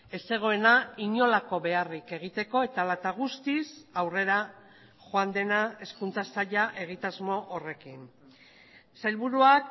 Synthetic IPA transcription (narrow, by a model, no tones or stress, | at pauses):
e̞se̞ɣ̞o̞e̞naiɲo̞lako̞βe̞arike̞ɣ̞it̪e̞ko̞e̞t̪alat̪aɣ̞ust̪isawre̞ɾa | ʝoand̪e̞nae̞skunt͡sasaʎaʔe̞ɣ̞it̪azmo̞ʔːre̞kin | sajlβuɾuak